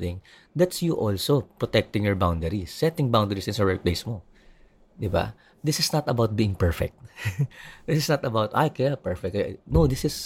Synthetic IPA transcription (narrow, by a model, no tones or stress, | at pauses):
ɪ̃ŋ | d̪ɐt̪sjuʔolsopɹɔt̪ɛk̚t̪ɪ̃ŋjɔɹbawnd̪ɛɾisːɛt̪ɪ̃ŋbawnd̪ɛɹisɪ̃nsɐɹɛt̚plejsmo | d̪ɪba̰ | d̪ɪsɪsnɐt̪ɐbawt̪̚biːɪ̃ŋpɛɹfɛ̰k̚t̪̚ | d̪ɪsɪsnɐt̪ɐbawt̪a̰jkɛpɛɹfɛk̚t̪nowd̪ɪsɪs